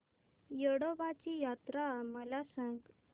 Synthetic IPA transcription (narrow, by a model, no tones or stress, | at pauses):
jəɽobat͡ɕijat̪ɾaməlasə̃ŋɡ